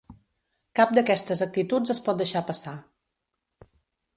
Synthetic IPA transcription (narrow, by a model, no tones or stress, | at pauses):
kap̚d̪əkɛst̪əzək̚t̪it̪ud͡zəspɔt̪̚d̪əʃapəsa